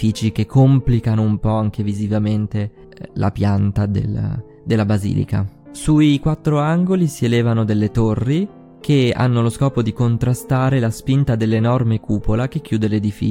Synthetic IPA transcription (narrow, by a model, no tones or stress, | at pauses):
iːt͡ʃik̟ekʰːomplikanoumpɔaŋk̟evizivament̪e | lʔa̰pjant̪ad̪ḛl̰ | d̪elːabazḭːlḭka̰ | suikwat̪ːɾoaŋɡolisielɛːvanod̪elːet̪orːi | kʰea̰nːoloskɔːpod̪ikont̪ɾast̪aːɾelaspint̪ad̪elːenɔrmekuːpolak̟ekːjuːd̪eled̪ifḭ